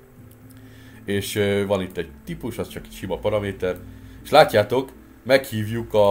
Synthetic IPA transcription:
eːʃʋɒnit̪ːɛɟ̚t̪ipuʃɒst͡ʃɒkɛ̥cʃimɒpɒɾɒmeːt̪ɛreʃlaːcːaːt̪o̞k | mɛkhiːvjukɒ

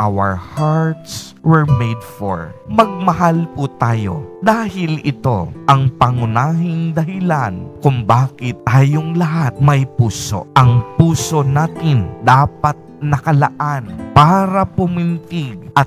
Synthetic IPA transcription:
ʔawɐ̰ɹhaɹt̪s | wɛɹmejd̪fo̰ɹmɐɡ̚mɐɦalput̪aːjo̞̰d̪aːhɪlɪt̪o̞̰ʔɐŋpɐŋʊnaːɦɪŋd̪ɐɦɪlankʊŋbaːkɪt̪̚ːaːjoŋlɐɦat̪̚mɐjpuːso̰ʔɐŋpuːso̞naːt̪ɪnd̪aːpɐt̪̚nɐkɐlɐ̰ʔanpaːɾɐpʊmɪnt̪ɪɡ̚ʔɐ

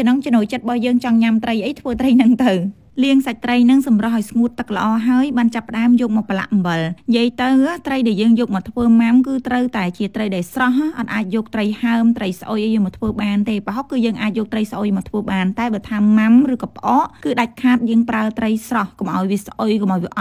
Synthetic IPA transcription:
nɔŋt͡ɕonuːjt͡ɕət̪̚ɓɑjəːŋt͡ɕɑŋɲamt̪rəjʔəjt̪ʰʋəːt̪rəjnɨŋt̪ɨw | liəŋsac̚t̪rəjnɨŋsɑmrɑhʔaɔjsŋuət̪ːɨk̚lə̆ʔɑːɦaəjɓaːnt͡ɕapːə̆ɗaəmjɔːk̚mɔːk̚pəla̰ʔmʋəlnjiəjt̪ɨwt̪rəjɗaɛljəːŋjɔːk̚mɔːt̪ʰʋəːmamkɨːt̪rəwt̪aɛt͡ɕiət̪rəjɗaɛlsrɑɦʔʔɑt̪ʔaːc̚jɔːk̚t̪rəjhaəmt̪rəjs̆ʔojʔəjmɔːt̪ʰʋəːɓaːnt̪eːpəɦok̚kɨːjəːŋʔaːt̪c̚jɔːk̚t̪rəjsʔoːjmɔːt̪ʰʋəːɓaːnt̪aɛɓəət̪ʰaːmamrɨːkɑːp̆ʔɑːʔkɨːɗac̚kʰaːt̪̚jəːəŋpraət̪rəjsrɑhkomʔaɔjʋiəsʔojkomʔaɔjʋiəʔɑt̪̚

